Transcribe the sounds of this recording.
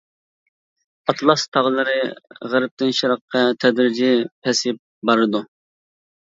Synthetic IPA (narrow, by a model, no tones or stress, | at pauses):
ɑt̪ʰlˠɑst̪ʰɑʁlˠɨɾɨʁæɾɪp̚t̪ʰɪnʃiɾɑqʰːɑt̪ʰɛd̪ɾɪd͡ʒɪpʰɛsɪp̚bɑɾɨd̪u